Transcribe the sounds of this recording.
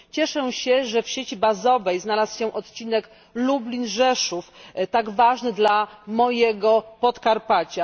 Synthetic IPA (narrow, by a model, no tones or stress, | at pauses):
t͡ɕɛʂɛɕɛʐɛfɕet͡ɕibazɔvɛjznalasɕɛ̃ʔɔt̪t͡ɕinɛk | lublʲinʐɛʂuft̪aɡvaʐnɘd̪lamɔjɛɡɔpɔt̪kaɾpat͡ɕa